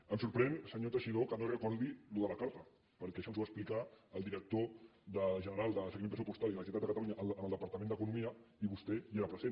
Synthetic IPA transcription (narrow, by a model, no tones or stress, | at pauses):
əmsuɾpɾɛnsəɲot̪əʃiðokənorəkɔɾd̪iluðəlakaɾt̪ə | pəɾkɛʃɔnzβaəsplikaəlˠd̪iɾək̚t̪oðəʒənəɾalˠd̪əsəɣiempɾəsupust̪aliləs̬it̪ad̪əkat̪aluɲaʔəlˠd̪əʔənəlˠd̪əpaɾt̪əmend̪əkunumiəiβust̪ɛeɾəpɾəzen